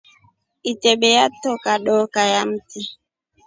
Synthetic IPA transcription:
itɛɓɛjatːɔkaɗɔːkajamti

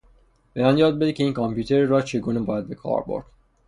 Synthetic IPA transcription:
b̥ejɒːnjɒːd̪̚bed̪icʰʲe̞iːnkʰɔmpʰjuːt̪ʰeɾiɾɒt͡ʃʰeɡuːnebɒːjæd̪̚be̞kʰɒ̰ːɾbo̰ɾd̪̥

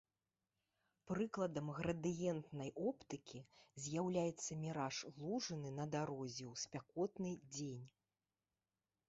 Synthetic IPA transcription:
pɾɨklˠɐd̪ɐmɣɾɐd̪ɨjɛnt̪nɐjʔɔpt̪ɨkʲizʲjawlʲajɛt̪sːɐmʲiɾaʂlˠuʐɨnɨnɐd̪aɾɔzʲɛwsʲpʲakɔt̪nɨd͡zʲenʲ

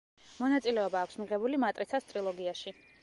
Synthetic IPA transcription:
mɔnat̪sʼilɛɔbaːkʷʰsmiʁɛbulimat̪ʼɾit̪sʰast̪ʼɾilˠɔɡiaʃi

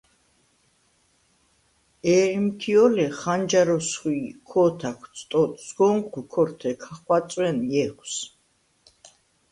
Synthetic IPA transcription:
ɛːɾimtʰiɔlɛχand͡ʒaɾɔsχiːkʰɔːt̪ʰak̪ʰsʰʼt̪ʼɔt̪ʰsɡɔŋkikʰɔɾt̪ʰɛkʰaχwasʼwɛnjɛɡʷʰs

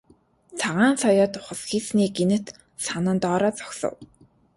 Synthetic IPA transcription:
t͡sʰaʁaːnsɔjɔːt̪ʊχə̆sxiːsniːɡenɘ̆t̪ | sanə̆nt̪ɔːɾɔːt͡sɔ̥ksɞ̰̆w

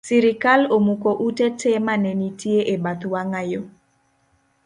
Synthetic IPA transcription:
siɾikalomukoʔutetemanenitjeʔebat̪waŋajo

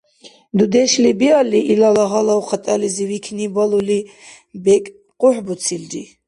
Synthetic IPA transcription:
d̪ud̪ɛʃlibialiʔilalaɦalawχat̪ʼalizivikʰnibaluli | bɛkʼ | qʼuħbut̪sʰild͡ʒi

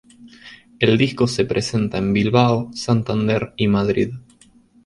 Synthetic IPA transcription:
e̞ld̪isko̞se̞pɾʔese̞nt̪aembilβaosant̪and̪eɾimað̞ɾḭð

